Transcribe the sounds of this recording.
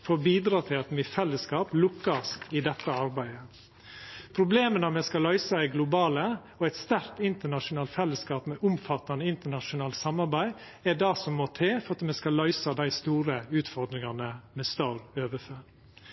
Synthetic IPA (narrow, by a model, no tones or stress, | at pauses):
foːɾbiːd̪ɾɑːt̪ʰɪlɑt̪mifɛlːəskɑːplʊkːɑst̪ɪd̪ɛt̪ːəɑɾbæɪə | pʰɾʊbleːmənɑmɛskɑlœʏsɑɛɡlʊbɑːlə | ɔæɪt̪st̪æɾt̪ɪnt̪əɳɑʂʊnɑːlt̪fɛlːəskɑːpmɛʔʊmfɑt̪ːɑnəɪnt̪ənɑʂʊnɑːlsɑmɑɾbæɪ | ædɑsɔmːoːt̪ʰeːfɔɾɑt̪mɛskɑlœʏsɑd̪æɪst̪uːɾəʉːt̪fɔɾd̪ɾɪŋɑnəmɛst̪ɑɾøːʋəføː